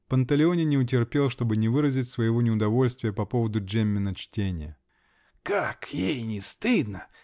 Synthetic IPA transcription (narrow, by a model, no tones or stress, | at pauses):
pənt̪əlʲɪonʲɪnʲɪʊt̬ʲɪrpʲe̞lˠʂt̪o̞bɨnʲɪvɨɾəzʲɪtʲsvəjɪvo̞nʲɪʊd̪ɐvo̞lʲst̪vʲɪjəpɐpo̞vəd̪ʊemʲːɪnət͡ɕtʲenʲɪjə̰ | kakjejnʲɪst̪ɨd̪nə